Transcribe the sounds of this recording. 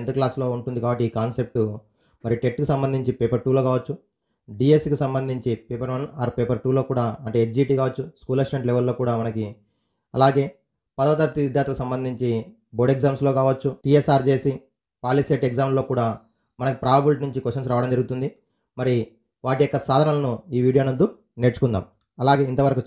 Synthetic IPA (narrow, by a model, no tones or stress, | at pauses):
nt̪ɐklaːslo̞ːuɳʈund̪ikaːbɐʈːiːkaːnse̞p̚ʈu | mɐɾiʈeʈkusɐmbɐnd̪ʱiɲt͡ʃipeːpɐɾʈuːloːkaːʋɐt͡ʃːu | ɖiːeskusɐmbɐnd̪ʱiɲt͡ʃipeːpɐɾmɐnaːɾpeːpɐɾʈuːlo̞ːkuːɽaːɐɳʈe̞ːet͡ʃd͡ʒiːʈiːkaːʋɐt͡ʃːuskuːleksʈeɳʈleʋɐlːoːkuːɽaːmɐnɐki | ɐ̰laːɡe̞ː | pɐd̪ɐːd̪ɐɾt̪iʋid̪ʱjaːɾt̪ːɐkusɐmbɐnd̪ʱiɲt͡ʃi | boɖeɡzaːmslo̞ːkaːʋɐt͡ʃːuʈiesaːɾt͡ʃe̞ːsi | paːliseʈeɡzaːmlo̞ːkuːɽaː | mɐnɐkipɾaːbɐbulʈnuɲt͡ʃikoʂɐns̬ɾaːʋɐɽɐmd͡ʒɐɾɡut̪und̪i | mɐɾi | ʋaːʈijɔkːɐsaːd̪ʱɐnalɐnuiːʋiːɽijo̞ːnɐnd̪u | neʈt͡ʃu̥kund̪a̰ːm | ɐlaːɡe̞ːint̪ɐʋɐɾɐku